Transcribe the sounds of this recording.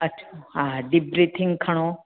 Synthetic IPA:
ətːɕʰaɦad̪ibɾet̪ʰɪ̃ŋɡkʰɐɽ̃o

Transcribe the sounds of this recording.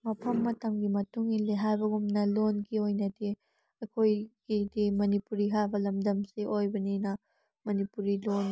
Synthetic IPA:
mɐpʰɐmːɐtɐmɡimɐtuŋileɦajbɐɡumnɐlonɡiojnɐdi | ɐkʰojɡ̥idimɐnipuɾiɦajbɐlɐmdɐmsiʔojbɐninɐ | mɐnipuɾilon

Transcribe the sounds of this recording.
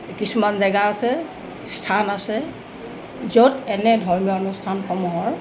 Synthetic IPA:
kisumanzaɡaːsɛ | stʰanasɛ | zodɛnɛdʱɔɹmijɔɔnustʰanxɔmuɦɔɹ

